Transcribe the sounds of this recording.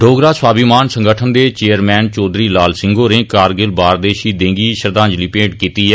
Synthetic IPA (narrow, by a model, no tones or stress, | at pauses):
ɖʱoːɡɾaːswaːbimaːnsə̃ŋɡəʈʰənd̪eːt͡ʃeːəɾmɛːnt͡ʃɔːd̪ɾiːlaːlsɪ̃ŋɡoːɾẽːkaːɾɡɪlbaːɾd̪eːʃiːd̪ẽːŋɡiːʃəɾd̪ãːɲd͡ʒliːpẽːʈkiːt̪iːɦɛː